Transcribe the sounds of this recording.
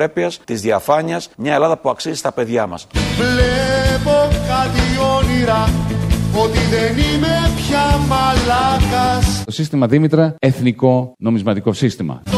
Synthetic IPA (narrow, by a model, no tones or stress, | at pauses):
epiɐst̪izðiɐfɐɲiɐsmɲɐe̞lɐðɐpuɐksizist̪ɐpe̞ðʝɐmɐ̰svlepokɐt̪io̞niɾɐ | ot̪iðenimepçɐmɐlɐkɐst̪o̞sist̪imɐðimit̪ɾɐeθniko̞no̞mizmɐt̪iko̞sist̪imɐ̰